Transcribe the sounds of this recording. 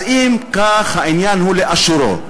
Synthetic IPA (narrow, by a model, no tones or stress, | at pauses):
imkaxainjanhuleʔaʃuɾo̰